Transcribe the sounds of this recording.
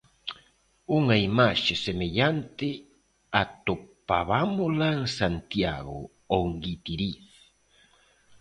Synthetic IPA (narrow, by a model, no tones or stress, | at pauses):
uŋaimaʃesemeʎant̪ɪ | at̪opaβamolaŋsant̪ja̰ɣo̰ | oŋɡit̪iɾiθ